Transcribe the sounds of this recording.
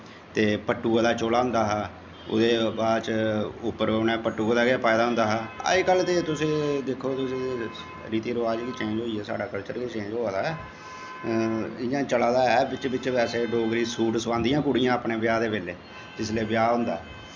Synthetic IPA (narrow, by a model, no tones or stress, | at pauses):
t̪eːpəʈːuːaːd̪aːt͡ʃoːlaːɦʊ̃nd̪aːɦː | ʊ̰d̪eːbaːd̪t͡ʃʊpːəɾnɛːpəʈːuːaːd̪aːɡepaːɪd̪aːɦʊ̃nd̪aːɦaːə̰kəlːt̪eːt̪ʊsĩːd̪eːkʰːoːt̪ʊsĩː | ɾiːt̪iːɾoaːd͡ʒeːd̪iːt͡ʃẽːɲd͡ʒɦoːiːɛːsa̰ːɖaːkəlt͡ʃəɾɡeːt͡ʃẽːd͡ʒoːad̪aːɛː | ɪjãːt͡ʃəlaːd̪aːɛːbɪt͡ʃbɪt͡ʃʋɛːseːɖoːɡɾĩːsuːʈsəʋãːnd̪ijãːkʊɽijãːəpneːbɪjaːd̪eːʋeːleː | d͡ʒɪsleːbɪjaːɦʊ̃nd̪a̰ːɛ